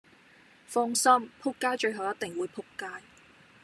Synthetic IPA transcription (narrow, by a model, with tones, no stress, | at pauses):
fɔː˥ŋsɐ˥mpʰʊ˥kːaː˥jt͡ʃɵ˧ɥɦɐ˨˩wjɐ˥t̪̚ɪ˨ŋwuː˨˧jpʰʊ˥kːaː˥j